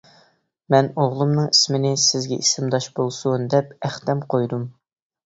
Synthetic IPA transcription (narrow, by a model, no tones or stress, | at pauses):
mɛnoʁlˠumnɨŋismɪnɪsɪzɡʲɛʔisɪmd̪ɑʃbolˠsund̪ɛpæχt̪ɛmqʰojd̪um